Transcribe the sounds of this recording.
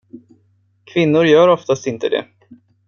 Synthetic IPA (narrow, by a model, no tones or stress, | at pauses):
kʰvɪnːʊɾjœːɾɔft̪ast̪ɪnt̪əd̪ɛ̰